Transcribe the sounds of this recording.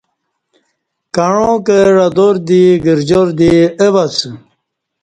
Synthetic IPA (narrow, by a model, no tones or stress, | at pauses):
kaɻõkeɾad̪oɾd̪iɡiɾd͡ʑoɾd̪ieβat͡s